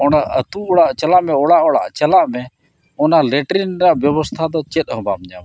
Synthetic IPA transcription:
ɔɽɖaʔət̪uɔɽaʔt͡ʃəlaʔmɛɔɽaʔɔɽa̰ʔt͡ʃəlaʔmɛ | ɔnalɛʈɾinɾaʔbjəbɔst̪ʰad̪ɔt͡ʃɛt̪̚ˀɦɔ̃bamɲa̰m

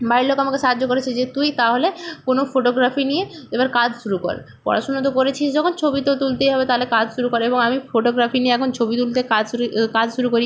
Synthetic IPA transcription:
bajɾlokamakeʃaɦad͡ʑːokoɾet͡ɕʰiʃd͡ʑet̪ujt̪aɦolekonofoʈoɡɾafinieebaɾkad͡ʑʃuɾuko̰ɾḛ | pɔ̰ɾʔa̰ʃonot̪̬okoɾet͡ɕʰiʃd͡ʑɔkʰont͡ɕʰobit̪ot̪ult̪ejɦɔbet̪aɦlekad͡ʑʱʃuɾukoɾeeboŋamifoʈoɡɾafinieɛkʰont͡ɕʰobit̪ult̪ekad͡ʑkad͡ʑʃuɾukoɾi

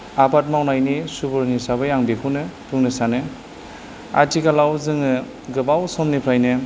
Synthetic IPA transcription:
apat̚mawnajnisubɔɾnisabɯjaŋbikʰɯnɯpuŋnɯsanɯ | a̰tikalawzɯŋɯ | ɡɯbawsɔmnipʰɾajnɯ

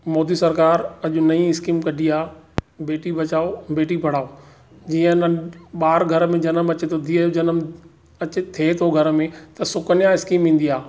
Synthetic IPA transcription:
moːd̪isɐɾkaːɾɐʄʊnɐĩɪskiːmkɐɖʱiaːbeːʈibʱɐt͡ɕaːobeːʈibʱɐɽ̤aːo | d͡ʑiːə̃ɪnəɓaːɾɡʱɐɾmẽd͡ʑɐnəmɐt͡ɕet̪ʰod̪ʰʱiəjod͡ʑɐnəm | ɐt͡ɕet̪ʰet̪ʰoɡʱɐɾəmẽt̪ɐsʊkənɪjãɪskiːmĩːn̆d̪iaː

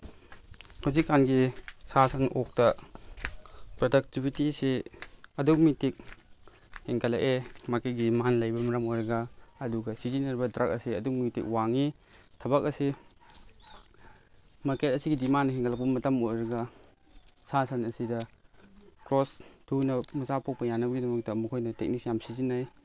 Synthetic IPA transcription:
hawzikːanɡisasɐnʔok̚tɐ | pɾodɐk̚tibitiseɐduk̚mitik̚ | heŋkʰɐla̰ʔemaɾket̚ɡimanlɐjbɐmɐɾɐmojɾɐɡaːduɡɐsizinɐɾbɐdɾak̚ɐ̰siɐduk̚mitḭk̚waŋi | tʰɐbak̚ɐsi | maɾket̚ɐsiɡidimanheŋkʰɐlɐk̚pɐmɐtɐmojɾɐɡa | sasɐnɐsidɐ | kɾostʰunɐmuzapok̚pɐjanɐbɐɡidɐmɐk̚tɐmɐkʰojnɐtek̚nik̚sjamsizinaj

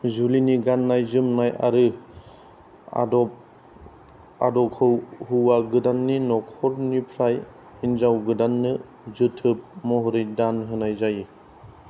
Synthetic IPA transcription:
zuliniɡanːajzɯmnaja̰ɾɯ | a̰dɔp̚ | a̰dɔkʰɯwhuwaɡɯdanːinɔkʰɔɾnipʰɾaj | inzawɡɯdanːɯ | zɯtʰɯp̚mɔɦɔɾɯjdanɦɯnajzaji

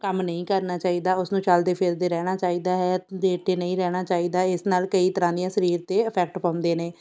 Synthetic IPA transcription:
kəmnəĩːkəɾnaːt͡ʃaːiːd̪aːʊsnũːt͡ʃəld̪eːpʰɪɾd̪eːɾɛːɽ̃aːt͡ʃaːiːd̪aːɦɛːd̪eːʈeːnəĩːɾɛːɽ̃aːt͡ʃaːiːd̪aːɪsnaːlkəiːt̪əɾãːd̪ɪjãːsəɾiːɾt̪eːəpʰɛːk̚ʈpãːnd̪eːneː

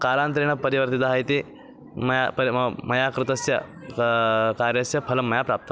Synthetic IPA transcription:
kaːɾãːnt̪ɾeːɳ̃ɐpɐɾiʋɐɾt̪it̪aɦjt̪i | mɐjapɐɾmɐjakɾut̪ɐsjɐ | kaːɾjɐsjɐpʰɐlɐmːɐjapɾaːp̚t̪ɐ

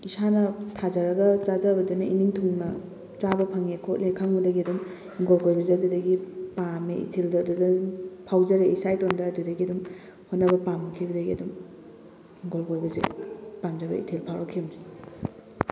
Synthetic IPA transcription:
isanɐtʰazɐɾɐɡɐt͡ʃazabɐdenɐʔiniŋtʰuŋnɐ | t͡ʃabɐpʰaŋekʰot̚lekʰaŋbɐdɐɡiɐdum | hiŋɡolkojbɐzeɐdudɐɡipameḭtʰeldɐːdudɐpʰawzɐɾeisajtondɐːdudɐɡiɐdum | honɐbɐpamukʰibɐdɐɡiɐdum | hiŋɡolkojbɐzḛpamd͡ʒabɐ̰ḭtʰelpʰawɾakʰiɐmi

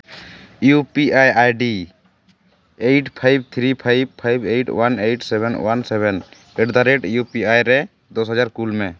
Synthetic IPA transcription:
jupiʔajajɖi | ejʈpʰajb̚t̪ʰɾipʰajbpʰːajbejʈwanejʈsɛbʱɛnwansɛbʱɛn | ɛɖd̪aɾeʈjupiajɾɛ | d̪ɔsɦad͡ʒaɾkulmɛ

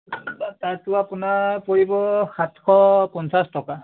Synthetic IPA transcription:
taɹtʊapʊnapoɹibɔxatkʰɔpɔnsastɔka

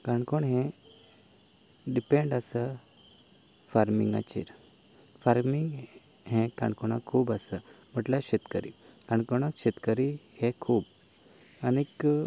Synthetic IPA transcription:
kãɳkoɳɦɛ̃ | ɖipeɳɖəsə | faɾmḭŋɡa̰t͡ɕḭɾ | faɾmiŋɡ | ɦɛ̃kã̰ɳkoɽ̃a̰kʰuːbasə | m̤əʈlaɕet̪kəɾḭkãɳkoɳ̃akɕet̪kəɾihɛ̃kʰuːb | anik

